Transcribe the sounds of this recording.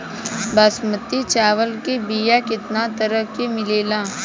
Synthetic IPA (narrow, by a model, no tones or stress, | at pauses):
baːsmət̪ːit͡ʃaːʋəlkebiːjakɪt̪nat̪əɾəkːemɪleːlãː